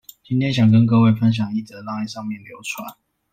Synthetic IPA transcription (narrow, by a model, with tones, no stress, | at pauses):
t͡ɕi˥nt̪ʰjɛ˥˦nɕ̬jɑ˨˩ŋk̬ə˦nk̬ɤ˥˧we˥˩ɪfə˦nɕ̬jɑ˨˩ŋi˥˩t͡sə˨˦lɑ˥˧ŋi˥˩ʂɑ˥˧ŋmjɛ˥˨nljo˧˥ʊt͡sʰwa̰˨˦n